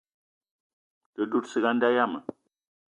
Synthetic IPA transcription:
tə˨ɗu˦tsi˨ɡa˦nda˦ja˦mə˨

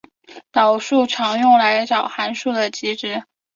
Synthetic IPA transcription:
t̪ɑ˨˩ʊʂu˥˩ʈ͡ʂʰɑ˧˥ŋjʊ˥˩ŋla˧˥ɪʈ͡ʂɑ˨˩ʊxa˧˥nʂu˥˩d̪ə˩t͡ɕi˥ʈ͡ʂɻ̩˧˥

